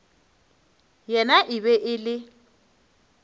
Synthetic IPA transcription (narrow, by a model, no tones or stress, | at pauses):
jɛnaʔɪβɛʔɪlɪ